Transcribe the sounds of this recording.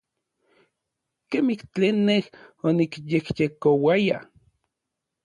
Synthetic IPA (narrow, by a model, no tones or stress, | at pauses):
kemiht͡ɬeːnːehonikjekjekowaja̰